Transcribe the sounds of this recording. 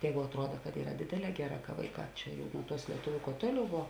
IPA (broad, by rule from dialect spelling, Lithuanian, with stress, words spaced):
ˈjɛːɡʊ ɐtˈruɔdɐ kɐt ˈiːrɐ ˈdʲeːdʲeːˌlʲɛː ˈɡʲæːˌrɑː kɐ ˈʋɐɪˌkɑː ˈt͡ʃʲɛ jɛʊ nʊ ˈtuɔs lʲiɛˈtʊʋʲʊ kuɔ ˈtuɔˌlʲɛʊ ˈʋoː